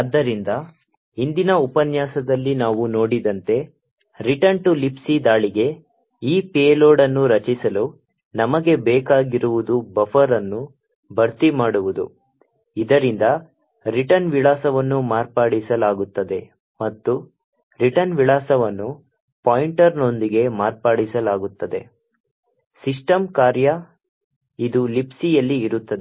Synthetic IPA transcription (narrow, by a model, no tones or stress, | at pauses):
ad̪ːɐɾind̪ɐ | ind̪inɐupɐnjaːsɐd̪ɐlːinaːʋuno̞ːɽid̪ɐnt̪e̞ | ɾiʈɐɳʈulipsid̪aːɭiɡe̞ | iːpeːloːɖɐnːuɾɐt͡ʃisɐlu | nɐmɐɡe̞bɛːkaːɡiɾuʋud̪ubɐfʰɐɾɐnːu | bʱɐɾt̪imaːɽuʋud̪ṵ | id̪ɐɾind̪ɐ | ɾiʈɐnʋiɭaːsɐʋɐnːumaːɾpaːɽisɐlaːɡut̪ːɐd̪e̞ | mɐt̪ːu | ɾiʈɐnʋiɭaːsɐʋɐnːu | paːjiɳʈɐɾno̞nd̪iɡe̞maːɾpaːɽisɐlaːɡut̪ːɐd̪e̞ | sisʈɐmkaːɾjɐ | id̪ulipsijɐlːiːɾut̪ːɐd̪e